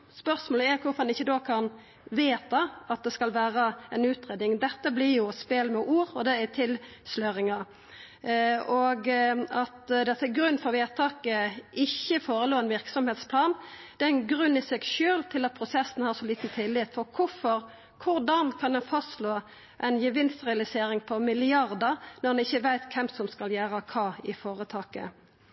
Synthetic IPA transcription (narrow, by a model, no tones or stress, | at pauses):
spœʁsmoːləɛɾkʰʊfɔʁd̪ɛnɪçːəd̪oːkʰɑn | ʋeːt̪ɑɑt̪̚d̪ɛskɑlʋæːʁəɛnʉːt̪ʁeːd̪ɪŋd̪ɛt̪ːəblɪʁjʊspeːlmɛʔuːɾɔd̪ɛɛt̪ʰɪlslœɾɪŋɑ | ɔɡɑt̪d̪ɛt̪ːɛɡɾʉnːfɔʁʋeːt̪ʰɑːkəɪçːəfoːɾəloːɛnʋɪʁksɔmheːt̪spʰlɑːnd̪̥ɛɪnɡʁʉnːɪsɛɡʃøːlt̪ʰɪlɑt̪̚pʰɾʊsɛsːn̩hɑːʁsɔliːt̪n̩t̪ʰɪlːɪp̪fɔʁkʰʊfɔʁ | kʰʊʁd̪ɑnkʰɑnd̪ɛnfɑst̪loː | ʔæɪnjəʋɪnst̪ʁɛɑlɪseːɾɪŋpʰɔmɪlɪɑʁd̪əʁnɔʁd̪ɛnɪçːəʋæɪt̪kʰɛmsɔmskɑljæːɾəkʰɑːɪfoːʁət̪ʰɑːkə̰